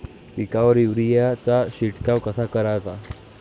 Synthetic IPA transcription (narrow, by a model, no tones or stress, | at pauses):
ikaʋəɾiʋɾijat͡saɕiʈkawkəsakəɾat̪a